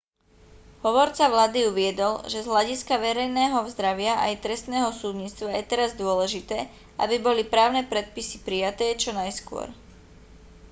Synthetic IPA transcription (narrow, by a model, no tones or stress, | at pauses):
ɦɔʋɔɾt͡saʋlaːd̪iuʋɪɛd̪ɔlʒɛzɦlaɟiskaʋɛɾɛjnɛːɦɔvzd̪ɾaʋɪaʔajt̪ɾɛst̪nɛːɦɔsud̪ɲiːt͡st̪ʋajɛt̪ɛɾazd̪ʊɔlɛʒit̪ɛː | ʔabibɔlipɾaːʊnɛːpɾɛt̪̚pisi̥pɾijat̪ɛːt͡ʃɔnajskʊɔ̰ɾ